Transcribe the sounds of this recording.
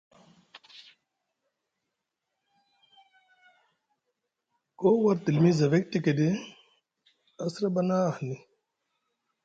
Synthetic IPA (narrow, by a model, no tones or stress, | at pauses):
koːwɐɾt̪ilmizɐʋek̚t̪iked̪e | ɐsɾɐbɐnahni